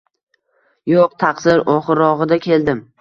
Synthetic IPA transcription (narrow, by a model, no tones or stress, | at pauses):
joqt̪ʰɑqsɪɾɒχɨɾɒʁɨd̪akʲʰe̞ld̪ɪm